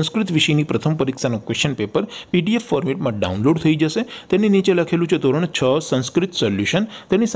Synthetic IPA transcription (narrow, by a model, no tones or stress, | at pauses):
ñskɾɪt̪ʋiʃəjnipɾət̪ʰəmpəɾiksanokʋest͡ʃənpepəɾpiɖiefːɔɾmiʈmãɖa̰unloɖt̪ʰəid͡ʒəʃet̪eninit͡ʃeləkʰelũt͡ʃʰed̪oɾəɳ̃t͡ʃʰəsə̃nskɾɪt̪səljuʃənt̪enis